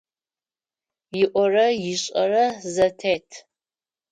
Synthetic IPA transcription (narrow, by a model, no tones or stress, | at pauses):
jɪʔʷɔrɐjɪɕʼɐrɐzɐtʰeːtʰ